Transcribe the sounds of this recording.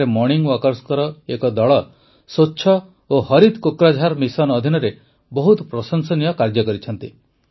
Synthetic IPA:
emɔɾniŋɡwɔkɔɾskɔɾɔekɔd̪ɔɭɔ | sotːʃʰɔ | ohɔɾid̪kokɾad͡ʒʱaɾmisɔnɔd̪ʱinɔɾe | bɔɦut̪ɔpɾɔsɔŋsɔnijɔkaɾd͡ʒɔkɔɾit͡ʃʰɔnt̪i

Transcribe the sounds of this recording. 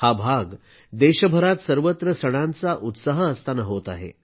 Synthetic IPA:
habʱaɡ | d̪eɕəbʱəɾat̪səɾʋət̪ɾəsəɽ̃ant͡saʔut̪saɦəːst̪anaɦot̪aɦḛ

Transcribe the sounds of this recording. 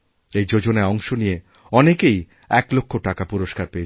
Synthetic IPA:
ejd͡ʑod͡ʑonaeɔŋʃonije | ɔnekej | ɛklokʰːoʈakapuɾoʃkaɾpee

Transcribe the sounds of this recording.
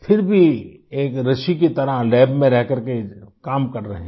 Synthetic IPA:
fʰɪɾbʱieːkɾɐʃikit̪ɐɾalɛːbmẽɾɛɦkɐɾkekaːmkɐɾɾɐɦẽ

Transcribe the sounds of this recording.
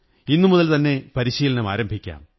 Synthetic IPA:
inːumuðɐlt̪ɐnːe̞pɐɾiɕiːlɐnɐmaːɾɐmbʱikʲːa̰ːm

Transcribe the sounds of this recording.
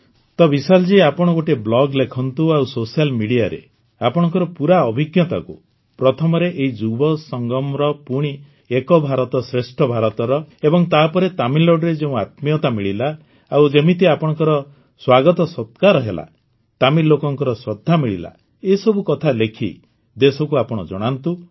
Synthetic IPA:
t̪ɔbisald͡ʒiapɔɽ̃ɔɡoʈeblɔɡlekʰɔnt̪uawsosialmiɽijaɾḛ | apɔɽ̃ɔ̃ŋkɔɾɔpuɾaɔbʱiɡjɔt̪a̰kṵ | pɾɔt̪ʰɔmɔɾeʔeɦid͡ʒubɔsɔŋɡɔmɾɔpuɽ̃i | ekɔbʱaɾɔt̪ɔsɾesʈʰɔbʱaɾɔt̪ɔɾɔebɔŋt̪apɔɾet̪amiloɖɾed͡ʒeũat̪mijɔt̪amiɭila | awd͡ʒemit̪eapɔɽ̃ɔ̃ŋkɔɾɔ | swaɡɔt̪ɔsɔt̪kaɾɔɦela̰ | t̪amilokɔŋkɔɾɔsɔd̪ʱːamiɭḭla̰ | esɔbukɔt̪ʰalekʰḭ | d̪esɔkuapɔɽ̃ɔ̰d͡ʒɔ̰ɽ̃ant̪u

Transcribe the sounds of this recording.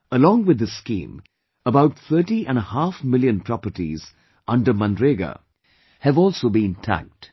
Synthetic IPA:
əlɔ̃ŋwɪd̪ːəskḭ̃ːm | əbaʊʈ̚θʰəːʈiʔɛ̃nəhaːfmɪljə̃npʰɾɔpəʈḭz | ʌ̃nɖəmə̃ndɾeɡa̰ | hɨvɔːlˠsobĩntʰæ̰̃k̚t

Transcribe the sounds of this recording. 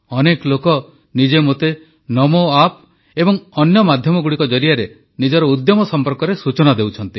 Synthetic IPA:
ɔnekɔlokɔ | nid͡ʒemot̪e | nɔmoap | ebɔŋɔnjɔmad̪ʱjɔmɔɡuɽikɔd͡ʒɔɾijaɾe | nid͡ʒɔɾɔud̪jɔmɔsɔmpɔɾkɔɾesut͡ʃɔnad̪ewt͡ʃʰɔnt̪i

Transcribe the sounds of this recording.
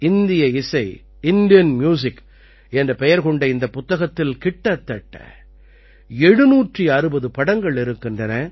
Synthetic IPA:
ɪnd̪ɪjɐɪsɐɪ | ɪnd̪ɪjɐnmjuːs̬ɪk | ɛndrɐpɛjɐɾkɔɳɖɐɪnd̪ɐpʊt̪ːɐɣɐt̪ːɪlkɪʈːɐt̪ːɐʈːɐ̰ | ɛɽɯnuːʈriɐɾɯbɐðɯpɐɽɐŋɡɐɭɪɾɯkːɪndrɐnɐ

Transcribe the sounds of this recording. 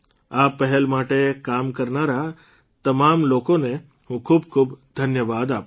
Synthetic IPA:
apːəɦɛlmaʈekamkəɾnaɾa | t̪əmamlokone | ɦũːkʰuːb̚kʰuːbd̪ʱənjəʋaːd̪ap

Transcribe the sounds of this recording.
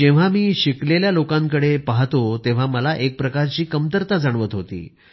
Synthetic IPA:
eʋ̤amiːɕikleljalokãŋkəɽepaɦt̪ot̪eʋ̤aməlaʔek̚pɾəkaɾt͡ɕiːkəmt̪əɾt̪ad͡zaɳ̃ʋət̪ɦot̪ḭː

